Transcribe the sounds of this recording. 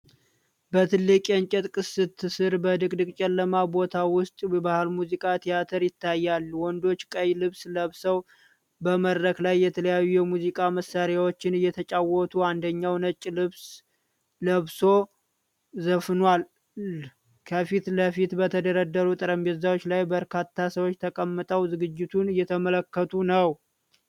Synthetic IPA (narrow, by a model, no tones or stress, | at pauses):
bət̪ʰɨlːɨkʼɛɲt͡ʃʼɛt̪ʼkʼɨsɨt̪ʰːɨsɨɾbəd̪ɨkʼd̪ɨkʼt͡ʃʼɛlːəmabo̞t̪ʰawʊst̪ʼbahlmuzikʼat̪ʰijat̪ʰəɾjɪt̪ʰːajːalːwɔnd̪o̞t͡ʃːkʼəjlɨβsləβsəw | bəməd̪ɾəklajːɛt̪ʰələjajːujɛmuzikʼaməsːaɾjawo̞t͡ʃːɪnɨjːɛt̪ʰət͡ʃʼawɔt̪ʰuand̪əɲːawnət͡ʃʼlɨβs | ləβso̞ | zəfnwal | kʰəfit̪ləfit̪bət̪ʰəd̪əɾəd̪ːəɾut̪ʼɨɾəmbezawot͡ʃːlajbəɾkʰat̪ʰːasəwot͡ʃːt̪ʰəkʼəmːɨt̪ʼəwzɨɡɨd͡ʒːɪt̪ʰunɨjːɛt̪ʰəmələkːət̪ʰunəw